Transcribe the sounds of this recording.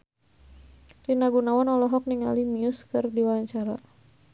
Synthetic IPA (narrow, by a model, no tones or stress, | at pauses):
rinaɡunawanɔlɔɦɔk̚niŋa̰limiuskɨrdiwaaɲt͡ʃaɾa